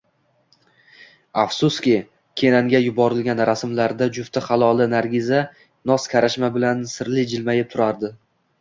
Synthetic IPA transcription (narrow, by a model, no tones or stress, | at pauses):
afsʊskʲɪ | kʲʰe̞naŋɡʲajʊbɒɾɪlɡʲanɾasmlaɾd̪ad͡ʒʊft̪ʰaχɑlˠɒlˠɪnaɾɡʲɪza | nɒskʲʰaɾaʃmabɪlansɪɾlɪd͡ʒɪlmajɪp̚t̪ʰʊɾaɾd̪ɪ